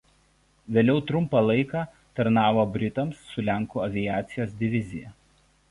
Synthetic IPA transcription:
ʋʲeːlʲɛʊt̪ɾʊmpɑlˠɐɪkɑː | t̪ɐɾnɑːʋoːbʲɾʲɪt̪ɐmsːʊlʲæˑŋˑkuːɐʋʲɪjæːt̪sʲɪjoːs̬d̪ʲɪʋʲɪzʲɪjɛ̰

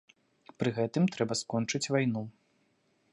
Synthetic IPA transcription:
pɾɨɣɛt̪ɨmt̪ɾɛbɐskɔnt͡ʂɨt͡sʲvajnu

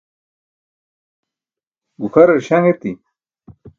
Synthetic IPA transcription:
ɡukʰɐɾɐɾɕaŋet̪i

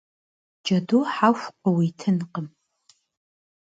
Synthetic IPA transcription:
d͡ʒɐduħaxʷqəwitʰɨnqəm

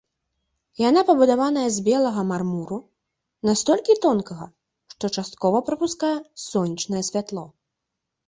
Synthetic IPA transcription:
janapɐbud̪avanɐjɛzʲbʲɛlˠɐɣɐmarmuɾu | nast̪ɔlʲkʲit̪ɔnkɐɣɐ̰ | ʂt̪ɔt͡ʂast̪̚kɔvɐpɾɐpuskajɛsɔnʲit͡ʂnɐjɛsʲvʲat̪lˠɔ

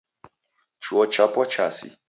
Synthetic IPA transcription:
t͡ʃʰuɔt͡ʃapɔt͡ʃasḭ

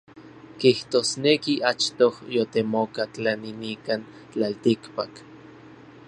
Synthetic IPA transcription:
kiht̪oːsnekiʔat͡ʃt̪ohjot̪emokat͡ɬaninikan | t͡ɬalt̪ikpak

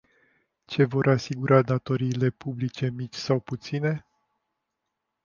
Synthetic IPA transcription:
t͡ʃe̞vo̞ɾʔasiɡuɾad̪at̪o̞ɾiːle̞publit͡ʃe̞mit͡ʃʲsawput̪sine̞

